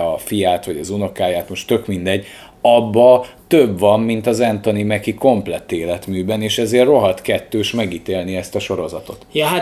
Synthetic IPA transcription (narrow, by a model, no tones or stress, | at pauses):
ɒfijaːt̪ʋɒɟɒzuno̞kaːjaːt̪mo̞ʃt̪ø̞kmind̪ɛɟ | ɒbːɒ | t̪øbvɒmːint̪ɒzɛnt̪o̞nimɛkiko̞mplɛt̪ːeːlɛt̪myːbɛneːʃɛzeːrːo̞ɦɒt̪kɛt̪ːøːʃmɛɡiːt̪eːlniɛst̪ɒʃo̞ɾo̞zɒt̪o̞t̪jɒa